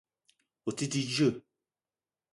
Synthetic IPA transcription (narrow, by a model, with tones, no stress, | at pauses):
o˨ti˦ti˦d͡ʒə˦˨